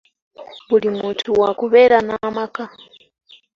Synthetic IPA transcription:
βulimuntuwakuβɛɾanamaka

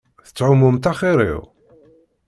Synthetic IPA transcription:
θə̥t͡sːʕʊmːʊmt̪æχiɾˤḭʁ

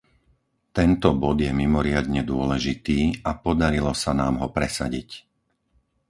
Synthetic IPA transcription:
t̪ɛnt̪ɔbɔd̪jɛmimɔɾɪad̪ɲɛd̪ʊɔlɛʒit̪iːapɔd̪aɾilɔsanaːmɦɔpɾɛsa̰ɟic

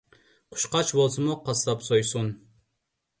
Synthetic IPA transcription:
qʰʊ̥ʃqɑt͡ʃbolˠsɨmuqʰɑslˠɑpsojsun

